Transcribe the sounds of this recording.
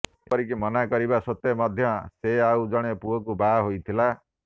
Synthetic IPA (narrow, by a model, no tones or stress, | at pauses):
ɔɾik̬imɔnakɔɾibasot̪emɔd̪ʱjɔseaud͡ʒɔɽ̃epuɔkubaɦojt̪ʰila